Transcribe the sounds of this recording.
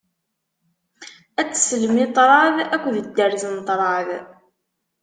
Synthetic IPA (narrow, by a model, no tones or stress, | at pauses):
æt͡sːsələmit̪ˤɾˤɑðækʷːðəd̪ːəɾzənt̪ˤɾˤɑð